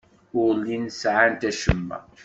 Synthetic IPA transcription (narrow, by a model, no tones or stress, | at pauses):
ʊʁlːinsʕant̪æʃəmːæ̰